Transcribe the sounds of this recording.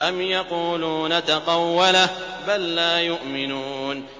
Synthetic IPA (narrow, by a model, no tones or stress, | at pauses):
ʔamjɑquːluːnat̪ɑqɑwːala | balːaːjʊʔmɪnuːn